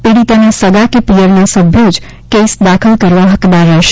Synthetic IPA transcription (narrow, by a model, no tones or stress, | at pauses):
peɽit̪anasəɡakepijəɾnasəbʱjod͡ʒ | kesd̪akʰəlkəɾʋaɦəkd̪aɾːɛʃ